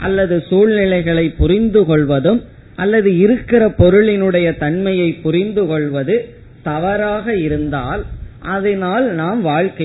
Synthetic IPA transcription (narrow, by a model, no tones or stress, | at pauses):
ʔɐ̰lːɐðɯsuːɭnɪlɐɪɣɐɭɐɪpːʊrɪnd̪ɯkɔɭʋɐðɯm | ʔɐlːɐðɯɪɾɯkːɪɾɐpɔɾɯɭɪnɯɽɐjɐt̪ɐɳmɐjɐɪpːʊrɪnd̪ɯkɔɭʋɐðɯ | t̪ɐʋɐɾaːɣɐɪɾɯnd̪aːlʔɐðɐnaːlnaːmʋaːɻkɐ